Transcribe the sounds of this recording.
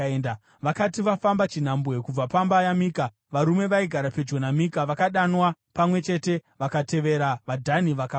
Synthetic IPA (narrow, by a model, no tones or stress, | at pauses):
nd | ʋakatiʋafambat͡ʃin̤ambwe̞kub͡vapambajamiːka | ʋaɾume̞ʋaiɡʱaɾape̞d͡ʒo̞namikaʋakaɗanwapamwe̞t͡ʃe̞te̞ʋakate̞ʋe̞ɾaʋadʱaniʋaka